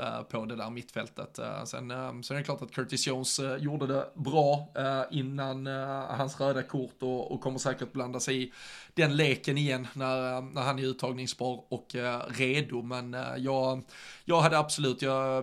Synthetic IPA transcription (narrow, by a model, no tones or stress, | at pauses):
pʰɔd̪ɛd̪æːɾmɪt̪ːfɛlt̪ə̰t̪sɛ̰nsɔɛɾəkʰlɑːʈat̪̚kʰœʈ̪ɪsoʊnsjuːɖəd̪ɛbɾɑːɪnːanhansɾøːd̪akʰʊɾt̪ɔɔ̰kʰɔmːəsæːkəɾʈ̚bland̪asɛɪɪd̪̥ɛnleːkənɪjɛnːæɾnæɾhanɛɾʉ̟ːt̪ʰːɑːɡnɪŋsbɑːɾɔkɾeːd̪ʊmɛnjɑːɡjɑːɡɦad̪ːəabsʊlʉ̟ːt̪ʰjɑ